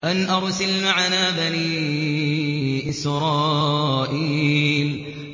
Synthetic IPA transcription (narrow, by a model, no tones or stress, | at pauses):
ʔanʔɑɾˤsalmaʕanaːbaniː | ʔɪsɾˤɑːʔiːl